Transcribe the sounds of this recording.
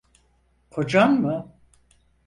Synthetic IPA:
kʰo̞d͡ʒanmɯ

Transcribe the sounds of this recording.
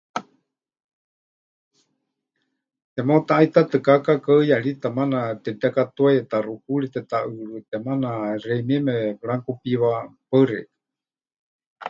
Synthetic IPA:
t̪ɛmot̪aʔːit̪at̪ɨkakakaɨjaɺit̪amanat̪ɛt̪akat̪uajɛt̪arukuɺit̪ɛt̪aʔɨɺut̪ɛmanaɾɛimiɛmɛɺaŋkupiβapəɾɛ̰

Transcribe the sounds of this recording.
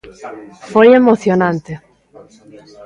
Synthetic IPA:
fojemoθjonãnt̪e

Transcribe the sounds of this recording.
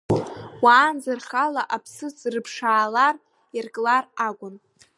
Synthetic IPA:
waːnd͡zarχalaʔapʰsɨt͡sʼrɨpʰʂaːlar | irkʼlaraɡʷʼʊn

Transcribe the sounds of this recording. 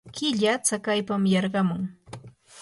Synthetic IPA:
kɪʎat͡sakajpamjɑɾɢɑmʊŋ

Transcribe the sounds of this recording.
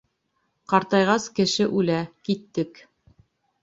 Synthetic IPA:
qɑɾt̪ɑjʁɑskɘ̆ʃɘʔʉlækit̪ːɘk

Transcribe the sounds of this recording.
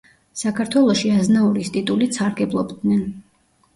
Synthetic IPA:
sakʰaɾt̪ʰwɛlˠɔʃiaznauɾist̪ʼit̪ʼulisʰaɾɡɛblˠɔbd̪nɛn

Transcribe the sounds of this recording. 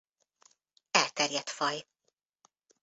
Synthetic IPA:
ɛlt̪ɛrjɛt̪fɒj

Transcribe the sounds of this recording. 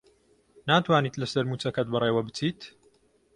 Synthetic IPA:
naːt̪waːniːt̪lɐsɐɾmuːt͡sɐkɐt̪̚bɨreːwɐbɨt͡siːt̪

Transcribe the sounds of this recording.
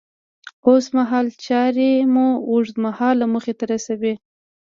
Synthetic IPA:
osmaɦɑlt͡ʃɑɾemuuʐd̪mahɑlːaməxet̪aɾasawi

